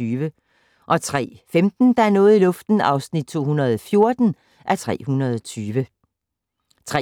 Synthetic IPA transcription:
yːʋə | ʔɒ̽t͡sʰʁɛ̰ːfemd̥n̩d̥ɑ̈æɐnɔ̽ːð̩ˠilɔ̽fd̥n̩ɑ̈ʊsnid̥̚t͡sʰo̝̰ːhunɐð̞ˠɒfjo̝ɐd̥n̩ | ʔæɐt͡sʰʁɛ̰ːhunɐð̞ˠɒt͡sʰyːʋə | t͡sʰʁɛ

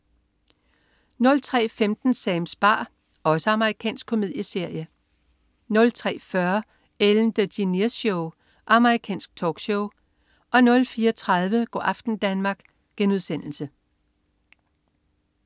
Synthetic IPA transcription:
nɔ̽lt͡sʰʁɛ̰ːfemd̥n̩sɛːmsb̥ɑ̰̈ː | ɒ̽səɑ̈məʁikʰɛ̰ːnsɡ̥̚kʰo̝mið̞̰ˠjəse̝ɐ̰jə | nɔ̽lt͡sʰʁɛ̰ːfɶɐ | eln̩d̥ədinisoʊ | ʔɑ̈məʁikʰɛ̰ːnsɡ̥̚t͡sʰɒ̰ːɡ̥ɕoʊ | ʔɒ̽nɔ̽lfiːɐt͡sʰʁɑðˠʋəɡ̥ɒ̰ːʔɑ̈fd̥n̩d̥ænmɑ̈ːɡ̥ | ɡ̥enuðˠsen̰l̩sə

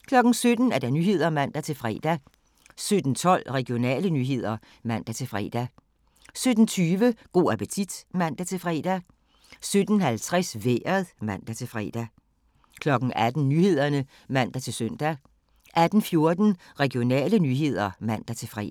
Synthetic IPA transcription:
kʰlɒ̽ɡ̥n̩sød̥n̩æɐd̥ɑ̈nyːɦe̝ð̞̰ˠɐmæn̰d̥æt͡sʰe̝lfʁɛ̰ːd̥æ | sød̥n̩t͡sʰɒ̽l̰ʁɛɡ̥ijo̝nɛ̰ːlənyːɦe̝ð̞̰ˠɐ | mæn̰d̥æt͡sʰe̝lfʁɛ̰ːd̥æ | sød̥n̩t͡sʰyːʋəɡ̥o̝̰ːæpət͡sʰid̥mæn̰d̥æt͡sʰe̝lfʁɛ̰d̥æ | sød̥n̩hælt͡sʰʁɛsʋeːɐðˠmæn̰d̥æt͡sʰe̝lfʁɛ̰ːd̥æ | kʰlɒ̽ɡ̥n̩ʔæd̥n̩nyːhe̝ð̞̰ˠɐnə | mæn̰d̥æt͡sʰe̝lsøn̰d̥æ | ʔæd̥n̩fjo̝ɐd̥n̩ | ʁɛɡ̥io̝nɛ̰ːlənyːɦe̝ð̞̰ˠɐmæn̰d̥æt͡sʰe̝lfʁɛ̰

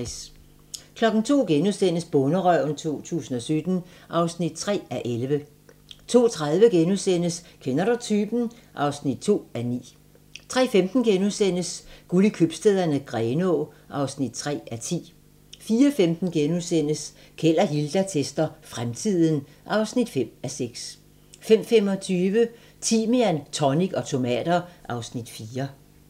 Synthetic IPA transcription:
s | kʰlɒ̽ɡ̥n̩t͡sʰo̝̰ːɡ̥enuðˠsen̰əsb̥ɔnəʁœʊ̰nt͡sʰo̝̰ːt͡sʰṵːsn̩ɒ̽sød̥n̩ʔɑ̈ʊsnid̥̚t͡sʰʁɛ̰ːæʔelʋə | t͡sʰo̝̰ːt͡sʰʁað̞ˠʋəɡ̥enusen̰əskʰenɐɾɐt͡sʰyːb̥n̩ʔɑ̈ʊsnid̥̚t͡sʰo̝̰ːænḭː | t͡sʰʁɛ̰ːfemd̥n̩ɡ̥enuðˠsen̰əsɡ̥ulikʰøb̥sd̥eðˠɐnəɡ̥ʁɛːnɔː | ʔɑ̈ʊsnid̥̚t͡sʰʁɛ̰ːæt͡sʰḭː | fiːɐfemd̥n̩ɡ̥enuðˠsen̰əs | kʰel̰ɐɦild̥æt͡sʰesd̥ɐfʁamt͡sʰið̰ˠn̩ | ʔɑ̈ʊsnid̥fem̰æseɡ̥s | fem̰fem̰ɒ̽t͡sʰyːʋə | t͡sʰiːmeænt͡sʰɒniɡ̥ɒ̽t͡sʰo̝mɛ̰ːd̥ɐʔɑ̈ʊsnid̥fiːɐ

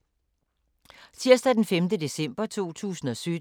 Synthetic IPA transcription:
t͡sʰiɐsd̥æd̥enfemd̥əd̥e̝sem̰b̥ɐt͡sʰo̝̰ːt͡sʰṵːsn̩ɒ̽sø

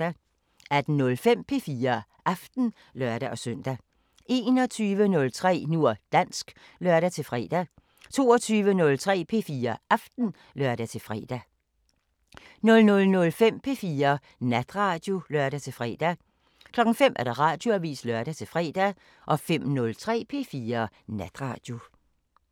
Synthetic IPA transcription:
æd̥n̩nɔ̽lfem̰pʰe̝fiːɐ | ʔɑfd̥n̩ | lɶɐɾ̥æʔɒ̽sœn̰d̥æ | ʔe̝ːnɒ̽t͡sʰyːʋənɔ̽lt͡sʰʁɛ̰ːnuɐ̰d̥æn̰sɡ̥ | lɶɐɾ̥æt͡sʰe̝lfʁɛ̰ːd̥æ | t͡sʰo̝ːɒt͡sʰyːʋənɔ̽lt͡sʰʁɛ̰ːpʰe̝fiːɐɑfd̥n̩ | lɶɐɾ̥æt͡sʰe̝fʁɛ̰ːd̥æ | nɔ̽lnɔ̽lnɔ̽lfem̰pʰe̝fiːɐ | næd̥ʁɑ̈ːd̥jo̝lœɐɾ̥æt͡sʰe̝lfʁɛ̰ːd̥æ | kʰlɒ̽ɡ̥ŋ̩fem̰ʔæɐd̥ɑ̈ʁɑ̈d̥jo̝æʋḭːslɶɐɾ̥æt͡sʰe̝lfʁɛ̰ːd̥æ | ʔɒ̽fem̰nɔ̽lt͡sʰʁɛ̰ːpʰe̝ːfiːɐ | næd̥ʁɑ̰̈d̥jo̝

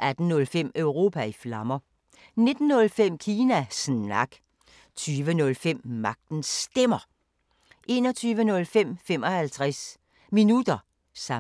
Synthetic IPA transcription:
ʔæd̥n̩nɔ̽lfem̰œʊʁo̝ːpʰæiflɑ̈mɐ | ne̝d̥n̩ːɔ̽lfem̰kʰiːnæsnɑ̈ɡ̥ | t͡sʰyːʋənɔ̽lfem̰mɑ̈ɡ̥̚d̥n̩sd̥em̰ɐ | ʔe̝̰ːnɒ̽t͡sʰyːʋənɔ̽lfem̰fem̰ɒ̽hælt͡sʰʁas | minud̥ɐ | sɑ̈

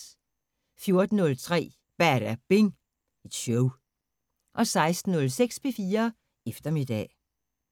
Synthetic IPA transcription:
fjo̝ɐd̥n̩ːɔ̽lt͡sʰʁɛ̰ː | b̥æɐ̰ɾ̥æb̥e̝ŋ | ed̥ɕɔʊ | ʔɒ̽sɑ̈ɪsd̥n̩ːɔ̽lseɡ̥spʰe̝fiːɐ | efd̥ɐme̝d̥ɛ̰

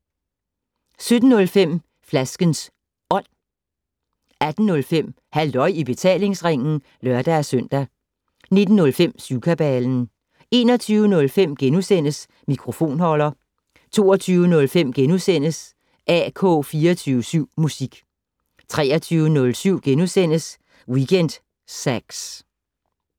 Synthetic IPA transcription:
sød̥n̩ːɔ̽lfem̰ | flæsɡ̥əns | ʔɒ̽n̰ | æd̥n̩nɔ̽lfem̰ | hæld̥ɒ̽ɪ̰ib̥e̝t͡sʰɛ̰ːle̝ŋsʁeŋ̰n̩ | lɶɐd̥ææsœn̰d̥æ | ne̝d̥n̩ːɔ̽lfem̰suːkʰæb̥ɛln̩ | e̝̰ːnɒt͡sʰyːʊənɔ̽lfem̰ɡ̥enusen̰əs | mikʰʁo̝fo̝̰ːnhɒ̽lɐ | t͡sʰo̝̰ːɐt͡sʰyːʊənɔ̽lfem̰ɡ̥enusen̰əs | ʔɛ̰kʰɔ̰ːfiːɐt͡sʰyːʊəsyʊ̰musiɡ̥ | t͡sʰʁɛ̰ːɐt͡sʰyːʊənɔ̽lsyʊ̰ɡ̥enusen̰əs | wiɡ̥ʰen̰d̥ | sæɡ̥s

